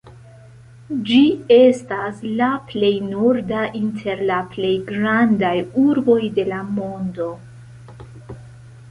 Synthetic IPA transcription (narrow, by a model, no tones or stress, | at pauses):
d͡ʒie̞staslaple̞jnoɾdaʔintʰe̞ɾlaple̞jɡɾandajuɾbo̞jde̞lamo̞ndo̞